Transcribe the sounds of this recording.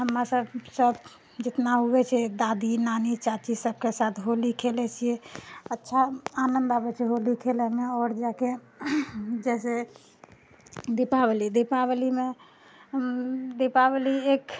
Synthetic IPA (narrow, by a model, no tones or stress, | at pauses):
ɦəmɾasəbsəb | d͡ʒet̪naɦobɛt͡ʃʰɛd̪ad̪inanit͡ʃat͡ʃisəb̚kesat̪ʰɦolikʰelɛt͡ʃʰijeətːʃʰaanənd̪abɛt͡ʃʰɛɦolikʰelɛmeɔɾd͡ʒake | d͡ʒɛse | d̪ipabelid̪ipaβelime | d̪epabeliek